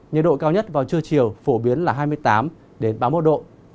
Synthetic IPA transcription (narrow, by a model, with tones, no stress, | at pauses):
ɲə̰˨˩t̚ɗo̰˧˨kaː˧wɲə˦˥t̚vaː˨˩wt͡ɕɨ˧ət͡ɕi˨˩əwfo˧˩ɓi˨˦ənlaː˨˩ɦaː˧jmɨ˧əjt̪aː˨˦m | ɗe˨˦nɓaː˧mo˦˥t̚ɗo̰˧˨